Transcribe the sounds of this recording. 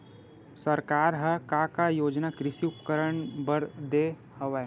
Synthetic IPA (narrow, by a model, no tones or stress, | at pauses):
sɐɾkaːɾɦɐkakajoːd͡ʒnakɾɪʃiʊpkəɾəɳbəɾd̪e | hɐʋaɦɛ